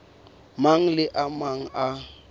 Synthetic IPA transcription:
maŋ̩lɪʔamaŋ̩ʔa

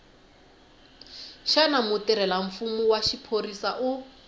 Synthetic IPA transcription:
ʃanamʊtiɾɛlaɱ̩fumuwaʃipʰorisaʔʊ

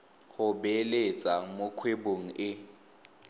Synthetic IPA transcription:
χʊbelet͡sʼamʊkʰweboŋ̩ɪ

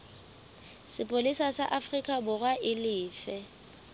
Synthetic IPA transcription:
sɪpʼolisasaʔafrikʼabʊrwaʔɪlɪːfɛ

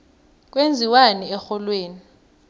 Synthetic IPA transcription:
k̬ʼwend͡zʱiwanɛɛxɔlweːni

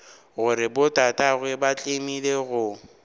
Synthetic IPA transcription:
ɣʊɾɪbʊtʼatʼaɣwɛbat͡ɬʼemileɣʊ

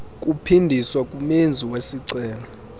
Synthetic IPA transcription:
kʼupʰindʱiswakʼumend͡zʱiwesiǀɛːla

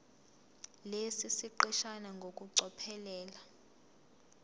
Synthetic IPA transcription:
lesisiǃɛʃanaŋɡʱokʼuǀɔpʰɛlɛːla

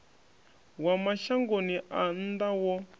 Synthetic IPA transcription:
wamaɬaŋɡoniʔan̩d̪awɔ

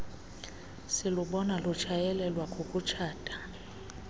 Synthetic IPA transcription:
siluɓɔnalut͡ʃʰajɛlɛlwakʼokʼut͡ʃʰaːtʼḁ

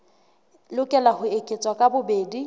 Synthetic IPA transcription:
lʊkʼɛlahʊekʼet͡sʼwakʼabʊbeːdi

